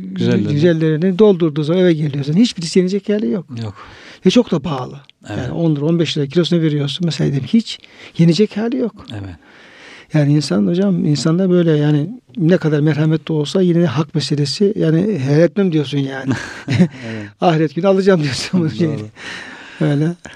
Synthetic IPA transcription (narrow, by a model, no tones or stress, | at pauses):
zɟyzɛlʲːe̞ɾinid̪o̞lˠd̪uɾd̪uːzamanevɛt̪̚ɟelʲijo̞s̬unhit͡ʃbiɾisije̞nid͡ʒɛchaːlʲijok̚jkvɛt͡ʃʰo̞kd̪abaːlˠɯ | jaːnḭʔo̞nlˠɯɾo̞nbɛʃ̬lˠɾacʰilʲo̞s̬naveɾijo̞ɾsunmɛselʲa̰ːed̪imçit͡ʃjenid͡ʒɛchaːlʲijo̞k | jaːniinsanod͡ʒamminsand̪abø̞jlʲɛjaːnɪnɛkʰad̪aɾmɛɾhamɛt̪liolˠsajined̪ɛɦakmɛselʲesijaːnɪɦejat̪lʲimd̪ijo̞ɾs̬unjaːn | aɦiɾɛt̪̚ɟ̥ynyalˠad͡ʒaːmd̪ijosamaʃejn | øjlʲɛ